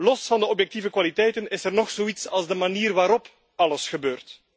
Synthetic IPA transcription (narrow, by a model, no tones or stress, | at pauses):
lɔsfɑndəɔpjɛk̚tivəkwalitɛjtənɪsɛrnɔxsoːitsɑlˠzdəmaniːrʋaːɾɔp | ɑləsxəbøːrt